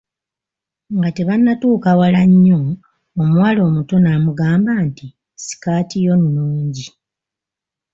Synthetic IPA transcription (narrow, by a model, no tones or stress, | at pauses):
ŋɡate̞βanːatuːkawalaɲːo | omwaːlo̞ːmuto̞naːmuɡaːmbaːnti | si̥kaːtijo̞nːuːɲɟi